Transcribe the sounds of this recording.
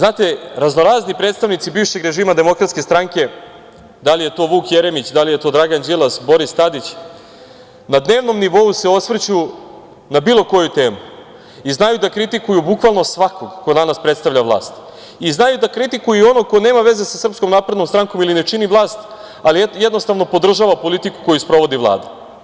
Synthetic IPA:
znaːt̪e̞ɾaznoɾaːznipɾeːt̪st̪aʋnit̪sibiːʋʃe̞ɡɾe̞ʒiːmad̪e̞mo̞kɾat̪skʲe̞st̪ɾaŋke̞ | d̪alije̞t̪o̞ːʋuːkjeɾe̞mit͡ɕd̪alijet̪o̞d̪ɾaɡand͡ʑilˠasbo̞ɾist̪ad̪it͡ɕ | nad̪ne̞ːʋno̞mniʋo̞use̞o̞sʋr̩t͡ɕu | nabiːlˠo̞ko̞jut̪e̞ːmu | iznajud̪akɾit̪ikujubukʋalˠnosʋako̞ɡkod̪anaspɾet̪st̪aʋʎaʋlˠa̰ːst̪ | iznajud̪akɾit̪ikujuo̞nokone̞ːmaʋe̞ze̞sasr̩psko̞mnaːpɾed̪no̞mst̪ɾaŋko̞milinet͡ʃinivlˠaːst̪ | alijed̪no̞st̪aʋno̞po̞d̪r̩ʒaːʋapo̞lit̪iku̥ko̞juspɾo̞ʋo̞d̪iʋlˠa̰ːd̪a

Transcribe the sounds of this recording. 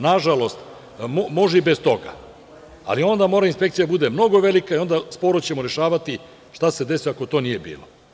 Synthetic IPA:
naʒalo̞st̪ | momo̞ʒɛibest̪o̞ɡa̰ | a̰lio̞nd̪amoːɾainspekt̪sijd̪abud̪e̞mno̞ɡo̞ʋe̞likaio̞nd̪aspo̞ɾot͡ɕe̞moɾe̞ʃaːʋat̪i | ʃt̪ase̞d̪e̞sijoako̞t̪o̞ːnije̞bḭːlo

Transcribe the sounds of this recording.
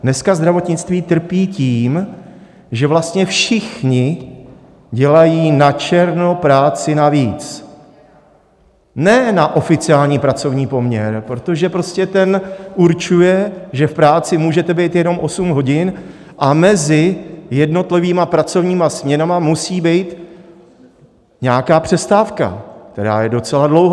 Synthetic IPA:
nɛskazd̪ɾavo̞t̪ɲɪt͡st̪viːt̪r̩piːciːm | ʒɛvlast̪ɲɛfʃɪxɲɪ | ɟɛlajiːnat͡ʃɛɾno̞pɾaːt͡sɪnaviːt͡s | nɛːnaʔo̞fɪt͡sɪaːlɲiːpɾat͡so̞vɲiːpo̞mɲɛɾpɾo̞t̪o̞ʒɛpɾo̞scɛt̪ɛnʔuɾt͡ʃujɛʒɛfpɾaːt͡sɪmuːʒɛt̪ɛbɛjt̪jɛno̞mʔo̞sumɦo̞ɟɪn | ʔamɛzɪjɛdno̞t̪lɪviːmapɾat͡so̞vɲiːmasmɲɛnamamusiːbɛjt̪ | ɲɛakaːpr̝̥ɛst̪aːfka̰k̚t̪ɛɾa̰ːjɛdo̞t͡sɛladlo̞wɦ

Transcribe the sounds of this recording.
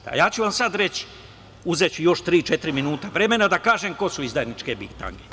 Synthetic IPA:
a̰jaːt͡ɕuʋamsad̪ɾe̞t͡ɕ | uzet͡ɕujo̞ʃt̪ɾiːt͡ʃe̞t̪ɾiminuːt̪aʋɾe̞me̞nad̪akaːʒemko̞suizd̪ajnit͡ʃkebikt̪a̰ŋɡe

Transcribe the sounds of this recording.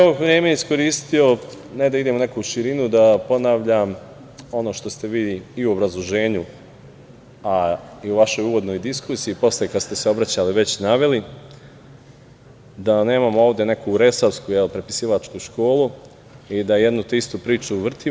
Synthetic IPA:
ooʋɾjemeeisko̞ɾiːst̪io̞ | ned̪aid̪e̞mone̞kuʃiɾinud̪apo̞naʋʎam | o̞no̞ːʃt̪o̞st̪e̞ʋiːiuobɾazlˠoʒe̞ːɲu | aiuʋaʃo̞juːʋo̞d̪no̞jd̪iskusiːpo̞sljekad̪st̪e̞seo̞bɾat͡ɕaliʋe̞t͡ɕnaʋe̞li | d̪ane̞ːmamoo̞ːʋd̪e̞ne̞kʰuɾe̞saʋskujelpɾe̞pi̥siːʋat͡ʃkuʃko̞ːlu | id̪ajed̪nut̪ist̪upɾiːt͡ʃuʋr̩t̪i

